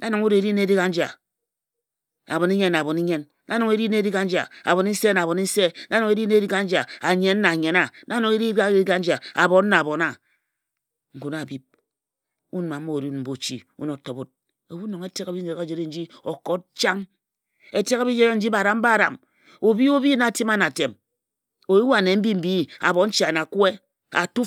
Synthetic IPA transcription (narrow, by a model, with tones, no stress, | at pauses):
na˦no˨ŋu˦ɾe˨ɾi˦ne˦di˦ka˦n̩˦d͡ʒa̰˨ | a˨bo˨ni˦ɲe˦nːa˨bo˨ni˦ɲe˦nːa˦no˨ŋe˦ɾi˦ne˦ɾi˦ka˦n̩˦d͡ʒa̰˨a̰˨βo˨ni˦n̩˦se˦na˨βo˨ni˦n̩˦se˦na˦nɔ˨ŋe˦ɾi˦ne˦i˦ka˦n̩˦d͡ʒa˨a˨ɲe˨n˦na˨ɲe˨na˦na˦no˨ŋe˦ɾi˦a˦i˦ka˦n̩˦d͡ʒa˨a˨bo˨n˦na˨a˨bo˨na˨ | ŋ̩˨ku˨na˨bi˦p̚ | u˦n˨ma˨m̩˦o˦˨ɾu˦n˨m̩˨bo˦˨t͡ʃi˦ṵ˦no˨˦to˨bo˦t̚ | o˨bu˦no˨ŋe˦te˦ka˨bi˦d͡ʒe˨e˨˦a˦˨d͡ʒe˨ɾe˦n̩˦d͡ʒi˦o˨ko˦t̚t͡ʃa˦ŋ | e˨te˦ka˦bi˦d͡ʒe˦ɾe˦n̩˦d͡ʒi˦ba˨ɾa˨m̩˦ba˦˨ɾa̰˨m | o˨bi˦o˦bi˦na˨ti˦ma˦na˨te˨m | o˨i˦wa˨ne˨m̩˦bi˦m̩˦bi˦a̰˨bɔ˨˦n̩˦t͡ʃi˦˨a˨na˨kwe˦ | a˨tu˦